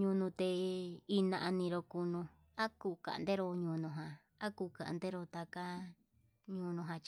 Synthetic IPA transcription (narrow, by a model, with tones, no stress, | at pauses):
ɲũ˧nũ˧t̪e˧i˧nã˧ʔa˧nĩ˧ɾo˧ku˧nũ˧ | a˦ku˧ka̰˨˧nd̪e˦ɾo˧ɲũ˧nũ˧ɦã˨ | a˦kuː˧˨ka̰˨ʔnd̪e˦ɾo˧t̪a˧ka˦ | ɲũ˧nũ˧ɦã˧t͡ʃ